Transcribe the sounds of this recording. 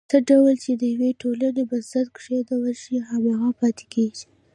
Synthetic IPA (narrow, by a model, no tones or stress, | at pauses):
səɖawəlt͡ʃed̪əjaweʈolanebaszat̪kʂed̪awəʃiɦamaɣapɑt̪e̥kʰeʒi̥